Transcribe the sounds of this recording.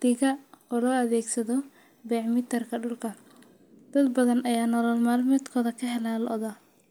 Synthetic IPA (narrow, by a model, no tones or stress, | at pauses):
d̪̥ɪɣɐɔːlɔːɐðɛːɡsɐðɔ | bɛːʕmɪt̪ʰɐrkʰɐɖʊlkʰɐ | d̪̥ɐd̪bɐðɐnʔɐjaːnɔlɔlmaːlmɛːd̪kʰɔːðɐkʰɐɦɛlalʔɔðɐ